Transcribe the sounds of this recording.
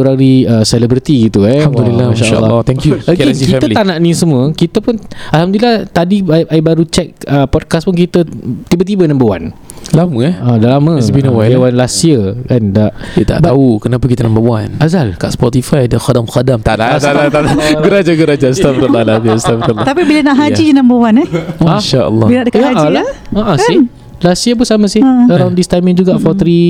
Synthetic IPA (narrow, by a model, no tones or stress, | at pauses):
ɾaɾiəsɛlɛbɾit̪iɡit̪uɛhamd̪ulilaʃaʔʃa̰lːɔt̪ɛŋkjuaksikifɛəlit̪anãʔnĩsəm̃əkit̪əpʊnalhamd̪ulilaht̪adiʔaibaɾut͡ʃɛk̚əpɔd̚kaspʊnk̬it̪ət̪ibət̪̬ibənambəwa̰n | laməɛadaʔlamə̃əbinawaawanlasiəkandaʔdət̪a̰ʔd̪aukənapakit̪ənãmbəwanazalka̰ʔspɔt̪ifajdəxadamxadamt̪aʔlaalat̪alaɡəɾad͡ʒaɡəɾad͡ʒast̪afɾəalabast̪afɾəlːt̪apibilənaʔɦad͡ʒidinãmbəwanaaʃaʔə̰lːɔbilnaʔdəkaalaaʔasi | lasiəbʊsamə̃sɪhəɾawndist̪ajmĩŋd͡ʒuɡaʔfawt̪ɾi